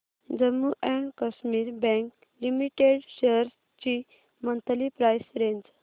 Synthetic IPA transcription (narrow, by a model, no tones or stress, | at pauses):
d͡zəmːuʔɛ̃ɳkəɕmiːɾbɛ̃ŋk | limiʈeɖɕeɾ | t͡ɕi | mənt̪ʰəlipɾajsɾeɲd͡z